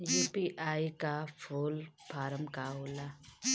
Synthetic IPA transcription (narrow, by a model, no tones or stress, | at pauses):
juːpiʔaːikafʰulpʰaːɾəmkaɦoːla